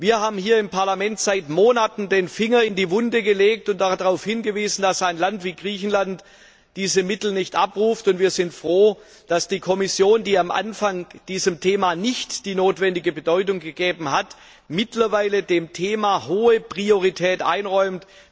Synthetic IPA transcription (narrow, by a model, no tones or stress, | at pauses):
viːɐhaːbm̩hiːɐɪmpʰaɐlamɛntz̥aɪtmoːnatn̩deːnfɪŋɐɪndiːvʊndəɡəleːk̚tʊnt̚d̥adaʁaʊfhɪnɡəviːzn̩dasaɪnlantv̥iːɡʁiːçn̩lant | d̥iːzəmɪtl̩nɪçtʔa̰pʁuːftʊntv̥iːɐzɪntfʁ̥oː | d̥asd̥iːkʰɔmɪsjoːndiːamʔa̰nfaŋd̥iːzəmtʰeːmanɪçtd̥iːnoːtv̥ɛndɪɡəbədɔʏtʊŋɡəɡeːbm̩hat | mɪtlɐvaɪlədeːmtʰeːmahoːəpʁ̥ioʁ̞itʰɛːtʔa̰ɪnʁɔʏmt